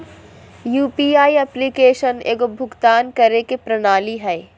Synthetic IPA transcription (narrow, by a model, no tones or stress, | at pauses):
juːpiːaːiɛplikeːʃənḛːɡʊbʱʊɡt̪aːnkɐɾekepɾɐnaːliɦɛː